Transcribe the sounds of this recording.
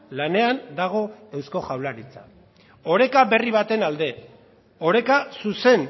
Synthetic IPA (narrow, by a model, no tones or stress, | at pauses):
lane̞and̪aɣ̞o̞e̞wsko̞ʝawlaɾit͡sa̰ | o̞ɾe̞kabe̞riβ̞at̪e̞nald̪e̞ | o̞ɾe̞kasuse̞n